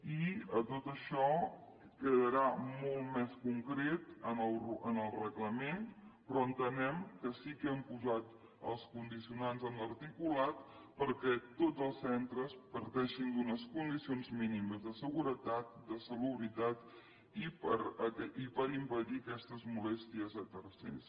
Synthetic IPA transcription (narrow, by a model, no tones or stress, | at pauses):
iət̪ot̪əʃɔ | kəðəɾamolˠt̪mɛskuŋkɾet̪ənəlrənəlˠrəɣləmenpɾɔənt̪ənɛmkəsikəəmpuzat̪ | ə̰lˠskund̪isiunanzənləɾt̪ikulat̪pəɾkɛt̪od͡zzəlˠsːɛnt̪ɾəspəɾt̪ɛʃind̪unəskund̪isionzminiməzðəsəɣuɾət̪at̪̚d̪əsəluβɾit̪at̪ | ipəɾəɛipəɾimpəðiəkɛst̪əzmulɛst̪iəzət̪ərsḛs